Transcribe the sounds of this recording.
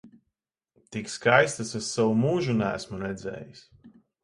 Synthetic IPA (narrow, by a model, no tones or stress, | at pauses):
t̪ikskajst̪asasawumuːʒunæ̰ːsmuɾɛd̪zɛ̰ːjis